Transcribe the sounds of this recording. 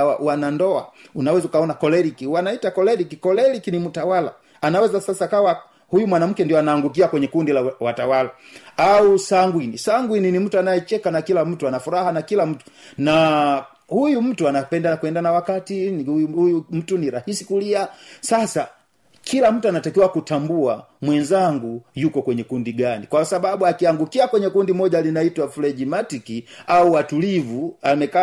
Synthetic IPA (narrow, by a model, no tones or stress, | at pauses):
a̰wanandɔa̰ | unawɛzaukaɔnakɔlɛɾikiwanaitakɔlɛɾikikɔlɛɾikinimutawala̰ | anawɛzasasakawa | hujumwanam̩kɛndiɔanaːŋɡuk̬iakwɛɲɛkundilawatawala | ausaŋɡwinisaŋɡwininim̩tuanajɛt͡ʃɛkanakilam̩tuanafuɾahanakilam̩tu̥na | hujum̩tuanapɛndakwɛndanawakatinjuhujum̩tuniɾahisi̥kuliasasa | kʰilam̩tuanatakiwakutambuamwɛɲzaŋɡujukɔkwɛɲɛkundiɡanikwasaɓaɓuakiaŋɡukiakwɛɲɛkundimɔɟalinaitwafulɛd͡ʒimatikiauwatulivuamɛka